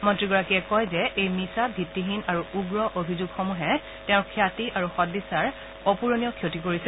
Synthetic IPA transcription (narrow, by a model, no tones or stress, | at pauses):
mɔntɹiɡɔɹakiɛkɔjzɛʔejmisabʱitːiɦinaɹuuɡɹɔʔobʱizuɡxɔmuɦɛ | tẽʊ̃ɹkʰjatiʔaɹuxɔdisaɹ | ɔpuɹonijɔkʰjotikoɹisɛ